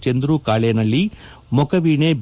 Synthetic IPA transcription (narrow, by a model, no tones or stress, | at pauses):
t͡ʃɐnd̪ɾukaːɭenɐlːi | mɔkɐʋiːɳeb